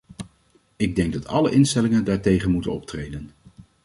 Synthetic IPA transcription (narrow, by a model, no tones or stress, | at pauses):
ɪɡ̚dɛŋɡ̚dɑtɑ̰ləʔɪnstɛlɪŋəndaːɹtejχənmutənɔp̚trejdən